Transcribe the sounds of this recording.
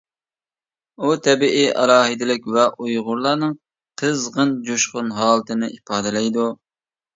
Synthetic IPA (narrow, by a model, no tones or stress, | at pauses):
ut̪ʰɛbiʔiʔɑ̰ɾɑːɦɨd̪ɪlɪkʲvɛʔujʁʊɾlˠɑɾnɨŋ | qʰəzʁənd͡ʒuʃqʊnɦɑːlˠɨt̪ʰɨnɨʔipɑːd̪ɨlɛjd̪u